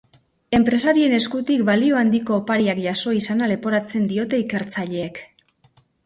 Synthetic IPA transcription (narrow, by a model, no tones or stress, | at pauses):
e̞mpɾe̞saɾie̞ne̞skut̪ikbalio̞and̪iko̞ːpaɾiakʝaso̞isanale̞po̞ɾat͡se̞nd̪io̞t̪e̞ike̞ɾt͡saʎe̞ːk